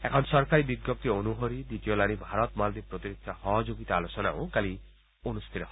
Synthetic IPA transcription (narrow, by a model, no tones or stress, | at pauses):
ɛkʰɔnʃɔɾkaɾibiɡjop̚t̪ionuɦoɾid̪it̪iolanibʱaɾɔt̪mald̪ipɾot̪iɾikʰːahɔɦɔd͡ʒoɡit̪aalot͡ʃɔnao̰kali | onust̪ʰiɾeɦ